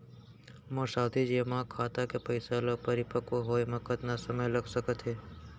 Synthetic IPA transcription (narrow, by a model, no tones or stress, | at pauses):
mõsaːd̪ʱid͡ʒeːmãkʰːaːt̪akepəɪsaloɡ̚pəɾɪpəkoɦoːjmɐkət̪nasəməjləɡʱsəkət̪ɦeː